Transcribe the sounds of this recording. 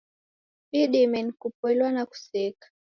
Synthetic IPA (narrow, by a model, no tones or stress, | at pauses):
ɓiɗimɛnikupwɛliwanaku̥sikḁ